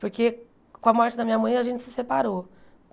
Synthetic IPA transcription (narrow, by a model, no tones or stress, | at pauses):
pʊɾke | kõɐmɔɾt͡ʃɪd̪ɐmĩɲɐmɐ̃j̃ɐʒẽnt͡ʃɪ̥sɪsepaɾo